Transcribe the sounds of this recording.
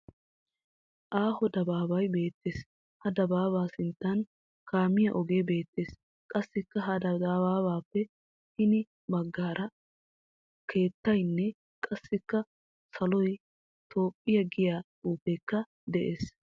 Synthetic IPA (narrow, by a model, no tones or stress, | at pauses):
ʔaːhɔd̪ɐbaːbɐjbe̞ːt̪ːeːs | hɐd̪ɐbaːβaːsɪnt̪ːɐn | kaːmɪjɐʔɔɡe̞ːbe̞ːt̪ːe̞ːs | kʼɐsːɪkːɐɦɐd̪ɐabaːbaːpːɛ | hɪnɪ | bɐɡːaːɾʔɐ | kʰe̞ːt̪ːɐjnːɛ | kʼɐsːɪkːɐ | sɐlɔj | t̪ʰo̞ːpʼːɪjɐɡɪjaːtʼuːpeːkːɐ | d̪ɛʔeːs